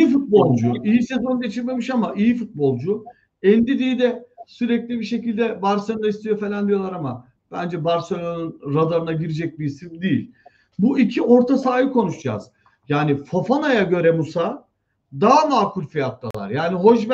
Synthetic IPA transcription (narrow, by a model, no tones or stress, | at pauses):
ifut̪̚bo̞lˠd͡ʒuijisezo̞nɟe̞t͡ʃʰiɾme̞miʃamaʔijifut̪̚bo̞lˠd͡ʒʊ | ɛnd̪id̪iːd̪ɛsyɾɛclʲibiʃe̞cilʲd̪ɛbaɾsand̪aist̪ʰijo̞fe̞lʲand̪ijo̞lˠaɾama | b̥ænd͡ʒɛbaɾsajanɯnɾad̪aɾɯnaɟiɾid͡ʒɛc̚bisifd̪ijḭlʲ | buicʰiʔo̞ɾt̪ʰasaːjɯkʰo̞nuʃd͡ʒa̰ːz̥ | jaːnifofanajaɟø̞ɾɛmusa | d̪aːnaːkʰulʲfijat̪lˠa̰lˠa̰ɾjaːniɦo̞ʃb